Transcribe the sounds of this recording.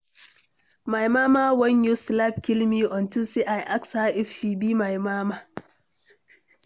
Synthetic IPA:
majmaːmaːwɐɲjuslab̚kʲɪlmiːʔɔntʊsiʔajʔakshaʔɛfʃiːbiːmajmaːmaː

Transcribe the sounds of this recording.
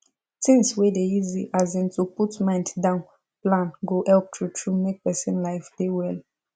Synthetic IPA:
tĩŋswedeiziʔazɛ̃ntuputmãɪ̃nddãʊ̃n | plãnɡohɛlp̚tɹutʰɹumek̚pɛsɛ̃nlaɪfd̥ewɛl

